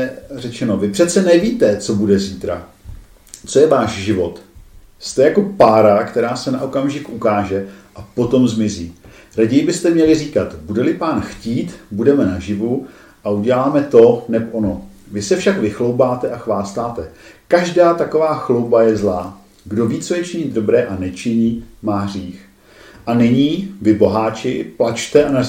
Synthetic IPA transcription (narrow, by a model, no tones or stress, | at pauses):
rɛt͡ʃɛno̞vɪpr̝̥ɛt̪t͡sɛnɛviːt̪ɛt͡so̞budɛziːt̪ɾa | t͡so̞jɛvaːʃʒɪvo̞t̪ | st̪ɛjako̞paːɾakt̪ɛɾaːsɛnaʔo̞kamʒɪkʔukaːʒɛʔapo̞t̪o̞mzmɪziː | ɾaɟɛjɪbɪst̪ɛmɲɛlɪriːkat̪budɛlɪpaːnxciːt̪budɛmɛnaʒɪvu | ʔauɟɛlaːmɛt̪o̞nɛpʔonovɪsɛfʃakvɪxlo̞wbaːt̪ɛʔaxvaːst̪aːt̪ɛkaʒdaːt̪ako̞vaːxlo̞wbajɛzlaː | ɡdo̞viːt͡sojɛt͡ʃɪɲɪd̪do̞bɾɛːʔanɛt͡ʃɪɲiːmaːɦriːx | ʔanɪɲiːvɪbo̞ɦaːt͡ʃɪplat͡ʃt̪ɛʔana